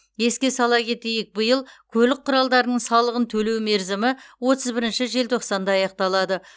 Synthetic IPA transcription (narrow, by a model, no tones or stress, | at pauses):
je̞skʲe̞sɑlˠɑkʲʰe̞t̪e̞jɪk̚bəjəlˠkʲʰɵlɪk̚qʰːʊɾɑlˠd̪ɑɾnəɴsɑlˠəʁənt̪ʰɵle̞wme̞ɾzɪmɪwo̞t̪əzbɪɾɪnʃɪʒe̞lt̪ʰo̞qsɑnd̪ɑːɑjɑq̚t̪ɑlˠɑd̪ə